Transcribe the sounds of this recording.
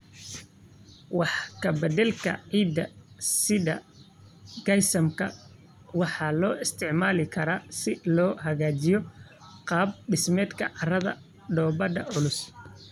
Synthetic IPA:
wɑħkʰɐbɐd̪ɛlkʰɐ̰ʕiːd̪ɐsɪðɐ̰ | ɡɐjsɐmkʰɐ̰ | wɑħɑːlɔːɪst̪ʰɪʕmaːlɪkʰɐɾaːsɪlɔːɦɐɣaːt͡ʃɪjɔ | qɑːb̚ɖɪsmɛːd̪kʰɐʕɑrɐðɐ̰ | ɖ̪ɔːbɐɖɐʊlʊs

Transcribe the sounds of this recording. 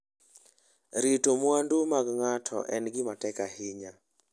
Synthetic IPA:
ɾitomwandumaɡŋatʰɔ̰ʔɛnɡɪmatɛkahɪɲa

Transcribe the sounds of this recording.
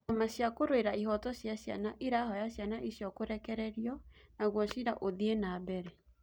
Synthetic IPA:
amaɕjakoɾoeɾaiɦɔtɔɕjaɕja̰naʔeɾaːhɔjaɕjanaʔiɕjɔkoɾɛkɛɾɛɾjɔnaɣwɔɕiɾaʔoðienaːbɛɾɛ

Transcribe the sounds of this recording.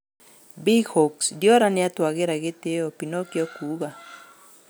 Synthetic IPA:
bihɔksdjɔɾaneatwaɣeɾaɣeteɔpinokjɔkuɣa

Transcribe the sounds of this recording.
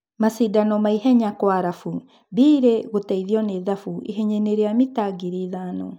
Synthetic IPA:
masidanɔmaiɦɛɲakwaɾafu | biːɾeɣotɛiðiɔneðafuʔḭɦɛɲeneɾeamitaɡiɾiðaːnɔ

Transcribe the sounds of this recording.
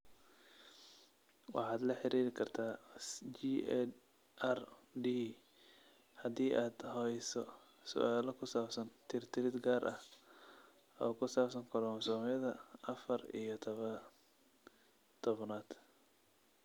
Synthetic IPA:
wɑ̰ħɑːd̪lɐħɪɾʔiːɾɪkʰɐrt̪ʰaːd͡ʒiɛ | ʔɛrd̪iː | hɐd̪iːʔaːd̪̥hɔɛjsɔ | sʊ̰ʔaːlɐkʰʊsaːbsɐnt̪ʰɪrt̪ʰɪɾɪd̪ɡaːrʔɐh | ɔ̰ːkʰʊsaːbsɐŋkʰɔlɔːmsɔːmjɐðɐʔɐfɐrḭjɞt̪ʰɐβɐ | t̪ʰɔβnaːd̪̥

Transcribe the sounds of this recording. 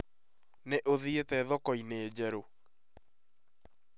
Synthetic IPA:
neʔoðietɛðɔkɔineːd͡ʑɛɾo

